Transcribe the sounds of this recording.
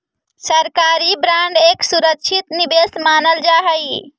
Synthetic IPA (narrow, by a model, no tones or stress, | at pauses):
səɾkaɾibɾaɳɖeksuɾəkt͡ʃʰit̪nibesmanəld͡ʒaɦəj